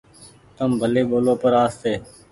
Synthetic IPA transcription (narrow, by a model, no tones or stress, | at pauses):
t̪əmbʱəleːɓoːloːpəɾaːst̪eː